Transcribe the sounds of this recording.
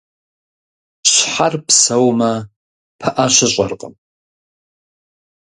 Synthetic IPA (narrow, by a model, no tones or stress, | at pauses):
ɕħarpʰsɐwmɐ | pʰɐʔaɕʷɪɕʷʼɐrqʼə̰m